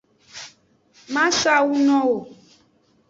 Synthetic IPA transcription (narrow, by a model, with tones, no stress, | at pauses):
mã˦ʃa˦wu˦nɔ̃˦wo˨